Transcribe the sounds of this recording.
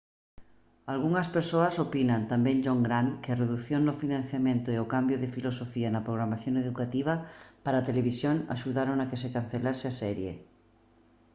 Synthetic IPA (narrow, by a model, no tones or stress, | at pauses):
alɣuŋɐspeɾsoasopinant̪ambẽŋd͡ʒoŋɡɾaŋkeareðuθjoŋnʊfinãn̟θjamẽnt̪oeokambjoðefilosofianapɾoɣ̞ɾamaθjoŋeðukat̪iβ̞apaɾaːt̪eleβisjoŋa̰ʃuðaɾoŋakesekan̟θelaseasɛɾjḛ